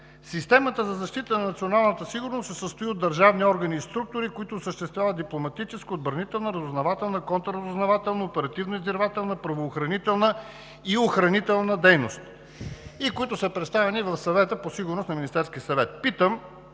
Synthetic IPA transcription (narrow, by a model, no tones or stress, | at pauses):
sist̪ɛmət̪əzɐzɐʃt̪it̪ənɐnɐt̪sionalˠnət̪əsiɡʊɾnossɛsəst̪ʊiod̪ːɐɾʒavniɔɾɡəniːst̪ɾuk̚t̪ʊɾikʊit̪ʊːsəʃt̪ɛst̪vʲjavəd̪d̪iplˠomɐt̪it͡ʃɛskiod̪bəɾnit̪ɛlˠnəɾəzʊznɐvat̪ɛlˠnəkɔnt̪əɾəzʊznɐvat̪ɛlˠnəopɛɾɐt̪ivnəizd̪ɛɾvat̪ɛlˠnəpɾɐvoːxɾɐnit̪ɛlˠnə | ioxɾɐnit̪ɛlˠnəd̪ɛjnost̪ | ikoit̪ʊsəpɾɛt̪st̪avɛnivɐfsɐvɛt̪əposiɡʊɾnosnɐminʲist̪ɛɾskʲiəsɐvɛt̪̚pit̪əm